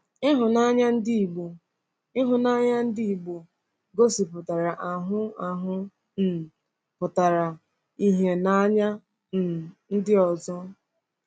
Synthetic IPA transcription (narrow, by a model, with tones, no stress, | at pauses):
ɪ˦ɦʊ˨na˦ɲa˦n̩˦di˦i˨ɡ͡bo˨ | ɪ˦ɦʊ˨na˦ɲa˦n̩˦dɪ˦i˨ɡ͡bo˨ | ɡo˦si˨pʊ˨ta˨ɾa˨ʔa˨ɦʊ˦a˨ɦʊ˦ | n̩˨ | pʊ˨ta˨ɾa˨ | i˦ɦe˨na˦ɲa˦˨ | n̩˦dɪ˦ɔ˨zɔ˦